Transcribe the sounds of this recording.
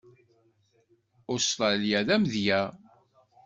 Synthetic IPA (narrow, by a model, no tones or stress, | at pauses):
ost̪ɾˤɑlijæðæmðjæ